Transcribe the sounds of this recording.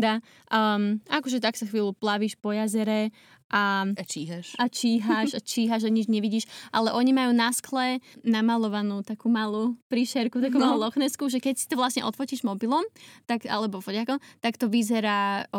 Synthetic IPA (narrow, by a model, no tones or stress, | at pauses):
d̪a | makɔʒɛt̪aksaxʋiːluplaʋiːʃpɔjazɛɾɛ | ʔat͡ʃiɦaʃat͡ʃiːɦaʃat͡ʃiːɦaʒaɲid͡ʒɲɛʋiɟiːʃʔalɛʔɔɲimajuːnasklɛnamalɔʋanuːt̪akuːmalupɾiʃɛɾkut̪akumalˠulɔxnɛskuʒɛkɛcsi̥t̪ɔʋlasɲɛ̰ʔɔt̪fɔciʒmɔbilɔmt̪aka̰lɛbɔfɔɟakɔmt̪akt̪ɔʋizɛɾaː